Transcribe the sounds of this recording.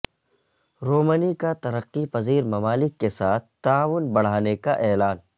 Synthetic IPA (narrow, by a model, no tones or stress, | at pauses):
ɾoːmənikat̪ɐɾəqːipɐziːɾmɐmaːlɪkːesaːt̪̚ʰt̪aːʋʊnbɐɽ̤aːnekaʔɛːlaːn